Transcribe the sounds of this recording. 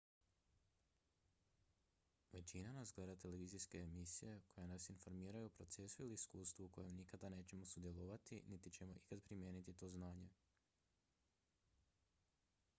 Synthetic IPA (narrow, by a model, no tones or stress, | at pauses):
ʋe̞t͡ɕinanasɡle̞d̪at̪e̞le̞ʋiːzijske̞ːmisije̞ko̞jenasinfo̞ɾmiːɾajuopɾo̞t̪se̞suiliːskuːst̪ʋuko̞jemnikad̪ane̞ːt͡ɕe̞mo̞sud̪je̞lˠoʋat̪ḭnit̪it͡ɕe̞mo̞ʔikad̪pɾimje̞ːnit̪it̪o̞znaːɲe̞